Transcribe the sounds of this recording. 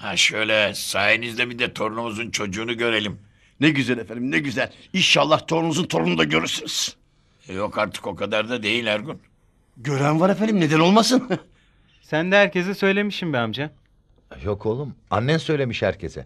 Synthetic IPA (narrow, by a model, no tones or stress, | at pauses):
haʃø̞jlʲɛsaːjinizd̪ɛbid̪ɛt̪ʰo̞ɾnumuzunt͡ʃʰo̞d͡ʒuːnuɟø̞ɾe̞lʲim | nɛɟyzælʲefænimnɛɟyzælʲinʃalˠːaht̪ʰo̞ɾnumuzunt̪ʰo̞ɾunud̪aɟøɾyɾsyniz̥ | jokʰaɾt̪ʰɯ̥ko̞kʰad̪aɾd̪ad̪e̞jilʲaɾɡun | ɟø̞ɾænvaɾefænimne̞d̪æno̞lˠmasɯn | sænd̪ɛhæɾcʰes̬ɛsø̞jlʲe̞miʃimbɛamd͡ʒa | jo̞kʰo̞lˠuma̰nːænsø̞jlʲe̞miʃhæ̰ɾcʰesɛ̰